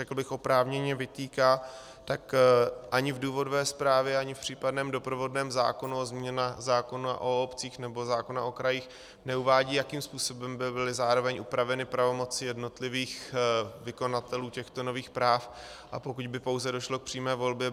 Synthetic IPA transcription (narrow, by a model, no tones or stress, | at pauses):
ɛkl̩bɪxʔo̞pɾaːvɲɛɲɛvɪt̪iːkaː | t̪akʔaɲɪvduːvo̞dovɛːspɾaːvjɛaɲɪfpr̥iːpadnɛːmdo̞pɾovo̞dnɛːmza̰ːko̞nuozmɲɛnazaːko̞naʔoopt͡siːxnɛbo̞zaːko̞naʔo̞kɾajiːx | nɛuvaːɟiːjakiːmspuːso̞bɛmbɪbɪlɪzaːɾo̞vɛɲʔupɾavɛnɪpɾavo̞mo̞t͡sɪjɛdno̞t̪lɪviːxvɪko̞nat̪ɛluːcɛxt̪o̞no̞viːxpɾaːf | ʔapo̞kuɟbɪpo̞wzɛdo̞ʃlo̞k̚pr̥iːmɛːvo̞lbjɛ